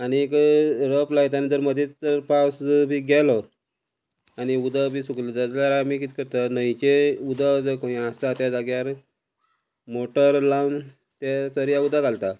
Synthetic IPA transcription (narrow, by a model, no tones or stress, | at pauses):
anikɾəplajt̪anid͡zəɾməd̪ʱit͡səɾpawsbʱiɡɛlɔ | aniud̪abʱiːsukled͡zad͡zljaɾamikit̪i̥kəɾt̪anəjt͡ɕeud̪ad͡zəkõiãst̪at̪jad͡zaɡjaɾ | moʈəɾlawn | t̪jat͡səɾjaud̪aɡalt̪a